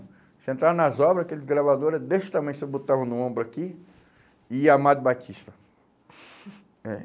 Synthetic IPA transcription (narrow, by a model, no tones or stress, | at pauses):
sẽnt̪ɾaɾnɐzɔbɾɐzkelɪzɡɾavad̪oɾɐd̪est̪ɐ̃mɐ̃j̃sebot̪avɐ̃w̃nũõmbɾʊaki | ɪamad̪ʊbat͡ʃiʃt̪ɐ | ɛ